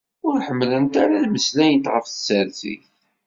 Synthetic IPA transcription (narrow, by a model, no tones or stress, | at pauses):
ʊɾħəmːlənt̪aɾalməslæjət̪ʁəfθəsəɾθḭθ